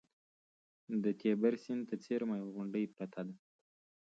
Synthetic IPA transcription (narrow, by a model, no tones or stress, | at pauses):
d̪ət̪ʰebaɾsɪnt̪ət͡seɾmajɣʊɳɖəjpɾat̪ʰad̪a